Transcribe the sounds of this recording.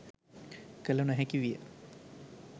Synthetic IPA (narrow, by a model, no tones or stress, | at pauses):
kəlunuɦɛkiʋijə̰